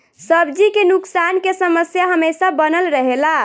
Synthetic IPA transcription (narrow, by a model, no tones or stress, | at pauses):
səbd͡ʒikenuksankesəməsjaɦəmesabənəlɾəɦela